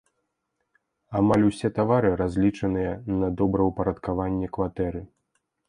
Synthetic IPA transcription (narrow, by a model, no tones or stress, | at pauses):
amalʲusʲɛt̪avaɾɨɾazʲlʲit͡ʂɐnɨjɐnɐd̪ɔbɾɐwpɐɾɐt̪kavanʲːɛkvat̪ɛɾɨ